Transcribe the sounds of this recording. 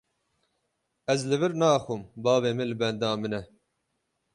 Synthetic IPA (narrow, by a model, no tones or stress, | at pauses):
ɛzlɨvɨɾnɑːxumbɑːbeːmɨlɨbɛnd̪ɑːmɨnɛ